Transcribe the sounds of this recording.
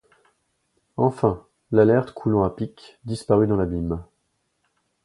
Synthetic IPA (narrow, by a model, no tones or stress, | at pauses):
ɑ̃fɛ̃ | lalɛʁt̪kʰulɑ̃apikd̪ispaʁyd̪ɑ̃labim